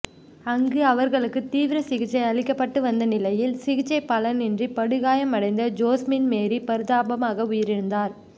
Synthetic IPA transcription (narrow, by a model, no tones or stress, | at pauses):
ɐŋɡɯɐʋɐɾɣɐɭɯkːɯt̪iːʋɪɾɐsɪɣɪt͡ʃːɐɪɐɭɪkːɐpːɐʈːɯʋɐnd̪ɐnɪlɐjɪlsɪɣɪt͡ʃːɐɪpɐlɐnɛndripɐɽɯɣaːjɐmɐɽɐɪnd̪ɐd͡ʒoːsmɪnmeːɾipɐɾɯðaːbɐmaːɣɐʊjɐɾɪɾɯnd̪aːɾ